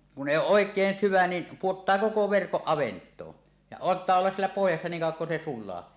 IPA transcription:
kun ʔeˑi oːʔ ʔoˑekˑeːn syʋæ ni puotːɑː koko ʋerkoʔ ʔɑʋentˑoː jɑ ɑntˑɑː olːɑs sielːæ pohjɑsːɑ niːŋ kɑˑuwˑɑŋ kun se sulˑɑː

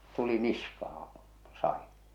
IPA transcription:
tuli niskɑhɑ̃ː sɑin

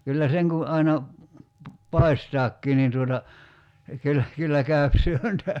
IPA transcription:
kylːæ seŋ kun̞ ɑinɑ pɑi̞stɑːkːiː niːn tuotɑ kylːæ kylːæ kæøp syøntæ

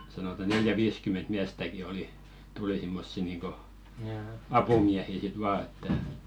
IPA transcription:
sɑnotɑ neljæ ʋiːskyment miæstæki oli tuli simːosːi niːŋko ɑpumiæhi sit ʋɑː etːæ

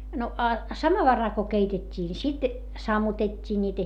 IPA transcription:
no ɑ sɑmɑʋɑrɑl ko keitetʲːiː ni sit sɑmːutetʲːiː nʲiːtæ

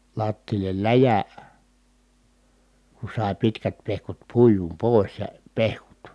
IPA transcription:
lɑtːiːlːel læjæ ku sɑˑi̯ pitkæt pehkut puijum poˑis jɑ pehkut

